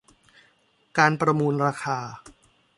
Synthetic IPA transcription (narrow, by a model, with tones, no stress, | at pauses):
kaː˧npɾa˧muː˧nɾaː˧kʰaː˧